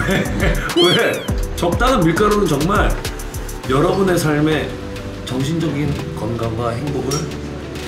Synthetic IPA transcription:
euet͡ɕʌp̚t͈aŋɯnmuɭk͈aɾonɯnt͡ɕʌŋmaɭ | jʌɾʌbune̞sʰaɭme̞ | t͡ɕʌŋɕʰind͡ʑʌɡin | kʌnɡaŋɡwaɦe̞ŋboɡɯɭ

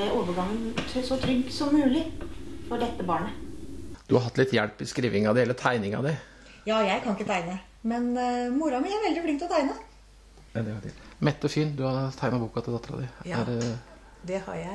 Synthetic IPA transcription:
æʔoːʋəɡɑŋːənʰsɔt̪ʰɾʏɡːsɔmːʉːlɪfɔɖɛt̪ːəbɑːɳə | d̪̥ʉhɑɾɑt̪ːlɪt̪jæɽpːɪskɾiːʋɪŋɑd̪ɛɛlːəɾt̪ʰæɪnɪŋɑ̰d̪æ | jɑːjæɪkʰɑnɪkːət̪ʰæɪnə | mɛnmʊɾɑmɛnjææɾʋɛld̪ɪflɪŋt̪ɔt̪ʰæɪnə | d̪ɛhɑɪ̰mɛt̪ːɔfiːnd̪ʉhɑɾt̪ʰæɪnɑbuːkɑt̪ʰɪld̪ɑt̪ːəɾɑ̰d̪æɪæ̰ɾ | d̪ɛhɑ̰ɾjæ

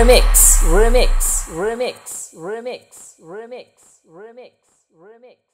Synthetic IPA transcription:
mɪksɹɪmɪksɹɪmɪksɹɪmɪks | ɹɪmɪks | ɹɪmɪks | ɹɪmɪks

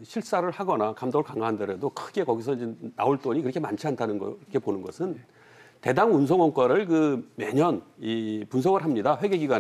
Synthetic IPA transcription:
ɕʰiɭs͈aɾɯɭhaɡʌnakamdʌɯɭkaŋaandeɾedokʰɯɡe̞kʌɡisʰʌind͡ʑena̰oɭt͈oɲikɯɾʌkʰema̰nt͡ɕʰiantʰanɯnɡʌkʰe̞ponɯnɡʌsʰɯn | te̞daŋuns̬ʰʌŋʌŋk͈waɾɯɭkɯme̞ɲʌnipuns̬ʰʌɡɯɾɦamɲidaɸwe̞ɡeɡiɡa

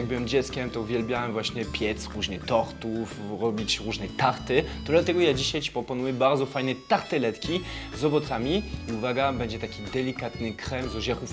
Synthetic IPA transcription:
jaɡ̚bɘwɛmd͡ʑɛt̪skʲɛmt̪ɔuvʲjɛlbʲjawɛmvwaɕɲɛpʲjɛt̪sɾuʑnɛt̪ɔɾt̪ufɾɔbʲit͡ɕɾuʐnɛt̪aɾt̪ɘt̪ɔd̪lat̪ɛɡɔjad͡ʑiɕajt͡ɕi̥pɾɔpɔnujɛbaɾd̪zɔfajnɛt̪aɾt̪ɛlɛt̪kʲi | zɔbɔt̪samʲiiuvaɡabɛɲd͡ʑɛt̪akʲid̪ɛlʲikat̪nɘkɾɛmzɔʑɛxuf

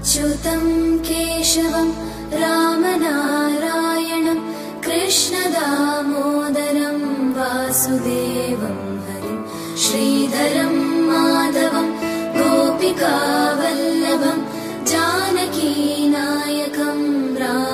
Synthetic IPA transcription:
t͡ʃut̪ɐmkeːʂɐʋɐm | ɾaːmɐnaːɾaːjɐɳɐm | kɾɪʂɳɐd̪aːmoːd̪ɐɾɐmʋaːsud̪eːʋɐm | ɦɐd̪i | ʃɾiːd̪ʱɐɾɐmːaːd̪ɐʋɐmd̪oːpikaːʋɐlːɐʋɐm | d͡ʒaːnɐkinaːjɐkɐmɾaː

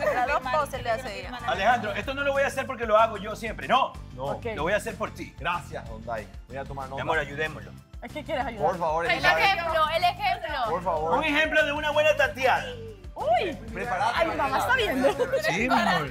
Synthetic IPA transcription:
ɾaðooseleasealexand̪ɾoe̞st̪o̞no̞lo̞βo̞jase̞ɾp̬o̞ɾke̞loaɣo̞ʝo̞sjempɾenonookeloβojase̞ɾpo̞ɾt̪iɡɾasjasond̪a̰j | bojat̪omaɾnoamoɾajuðemolo̰ | ekekjeɾesajuðaoɾfaβoɾeeexemloelexemlopoɾfaβoɾuŋexe̞mploðeunaβwe̞nat̪at̪jana | uj | pɾepaɾaauamast̪aβjend̪osimo

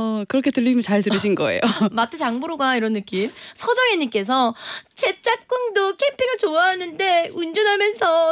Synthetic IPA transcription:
kɯɾʌkʰe̞tɯʎːiɕimjʌnt͡ɕaɭtɯɾɯɕ̬ʰinɡʌe̞̰jomatʰɯt͡ɕaŋboɾoɡaiɾʌnːɯk͈imsʰʌd͡ʑʌŋeɲik͈e̞s̬ʰʌt͡ɕe̞t͡ɕ͈ap̚k͈uŋdokʰe̞mpʰiɡat͡ɕoaɦanɯnde̞und͡ʑunɦamjʌnsʰʌ

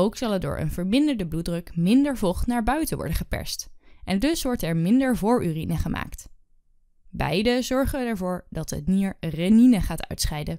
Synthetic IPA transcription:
owksɑlˠɛdʊ̰ːɹə̰nvəɹmɪndəɹdəbludrɵkmɪndəɹvɔχtnaːɹbœɥtəʋɔ̰ɹdəχəpɛ̰ɹstʔɛndɵsʋɔɹtɛɹmɪndəɹvʊːɹʔyːrinəχəma̰ːkt | bɛ̰jdəzɔɹχəɛɹvʊːɹdɑtɦə̰tniːɹrɛninəχaːtœ̰ɥtsχɛjdə

